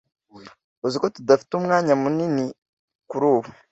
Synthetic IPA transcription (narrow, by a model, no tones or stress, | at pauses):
uziko̞tudafi̥tumŋaːɲamunini | kuɾuːβa